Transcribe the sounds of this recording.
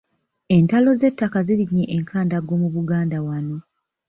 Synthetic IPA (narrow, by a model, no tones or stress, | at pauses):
e̞ntalo̞ze̞tːakaziɾiɲːeʔːŋkʰaːndaɡo̞ːmuβuɡaːndawano̞